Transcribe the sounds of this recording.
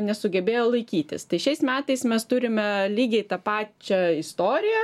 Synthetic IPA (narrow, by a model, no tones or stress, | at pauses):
nʲɛsʊɡʲɛbʲeːjoːlˠɐɪkʲiːt̪ʲɪ̰st̪ɐɪʃʲɛɪsmʲæːt̪ɐɪsmʲɛst̪ʊɾʲɪmʲɛlʲiːɡʲɛɪt̪ɑpɑːt͡ʃʲɛɪst̪oːɾʲɪjɛ